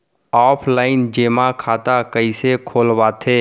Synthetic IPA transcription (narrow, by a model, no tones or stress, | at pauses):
ɔːpʰlaːɪnd͡ʒeːmakʰaːt̪akəisekʰoːlwat̪ʰeː